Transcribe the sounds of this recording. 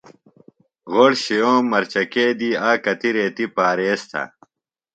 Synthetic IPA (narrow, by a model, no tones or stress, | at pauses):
ɣoɽɕijõːmɐɾt͡ɕɐkeːd̪iːaːkɐt̪iɾeːt̪ipaːɾeːst̪ʰɐ̰